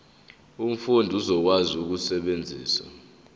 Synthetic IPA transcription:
um̩fundʱuzɔk̬wazuk̬usɛɓend͡zʱḭːsa̰

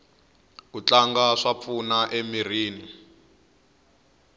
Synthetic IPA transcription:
kut͡ɬaŋɡaʂap̪funaʔemiriːni

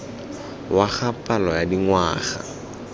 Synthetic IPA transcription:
waχapʼalɔjadiŋwaːχa̰

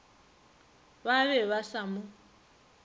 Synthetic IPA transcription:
βaβɛβasamʊ

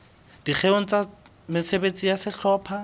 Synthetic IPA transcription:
d̥ik͡xʰeoŋ̩t͡sʼa | mɪsebet͡sʼijasɪt͡ɬʰɔːpʰa

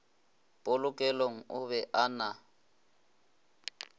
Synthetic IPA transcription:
pʼolʊkʼɛloŋ̩ʊβɛʔana

